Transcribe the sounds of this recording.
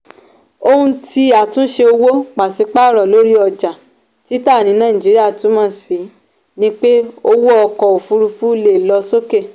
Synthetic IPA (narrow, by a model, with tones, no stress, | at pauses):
o˧hũ˧ti˧a˨tũ˦ʃe˧o˧wo˦k͡pa˨si˧˦k͡pa˦˨ɾɔ˨lo˨˦ɾi˦ɔ˧d͡ʒa˨ | ti˨˦ta˦˨nĩ˨˦nã˦˨ĩ˨d͡ʒi˨˦ɾi˦a˦˨tũ˨˦mãː˦˨si˨˦ | nĩ˦k͡pe˦o˦wo˦ɔ˧kɔ˨o˨fu˧ɾu˧fu˦le˦˨lɔ˧so˦ke˦˨